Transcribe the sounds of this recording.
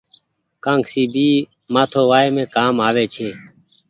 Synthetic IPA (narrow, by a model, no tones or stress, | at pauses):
kãːŋksiːbʱiː | maːt̪ʰoːʋaːeːmẽːkaːmaːʋeːt͡ʃʰeː